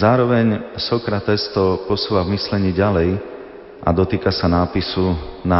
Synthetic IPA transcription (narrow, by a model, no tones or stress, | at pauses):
aːɾɔʋɛɲsɔkɾat̪ɛst̪ɔpɔsuːʋavmislɛɲiːɟalɛj | ʔa̰d̪ɔt̪iːkasanaːpisuna